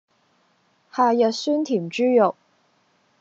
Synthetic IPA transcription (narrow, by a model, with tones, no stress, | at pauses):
haː˨jɐ˨sy˥nt̪ʰi˨˩mt͡ʃyː˥jo˨˩w